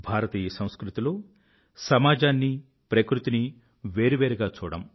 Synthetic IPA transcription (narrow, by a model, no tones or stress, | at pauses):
bʱaːɾɐt̪iːjɐsɐ̃w̃skɾut̪ilo̞ː | sɐmaːd͡ʒaːnːi | pɾɐkɾut̪ini | ʋeːɾiʋeːɾiɡaːt͡ʃuːɽɐ̰m